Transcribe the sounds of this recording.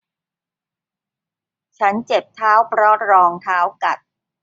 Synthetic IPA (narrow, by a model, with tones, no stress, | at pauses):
t͡ɕʰa˦˥nt͡ɕe˨˩p̚t̪ʰaː˦˥wpʰɾɔ˦˥ɾɔː˧ŋt̪ʰaː˦˥wka˨˩t̪̚